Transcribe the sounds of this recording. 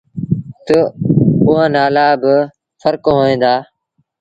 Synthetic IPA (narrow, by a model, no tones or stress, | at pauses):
t̪əʊɦãːnaːlaːbɪ | fəɾkoɦoːẽːnd̪aː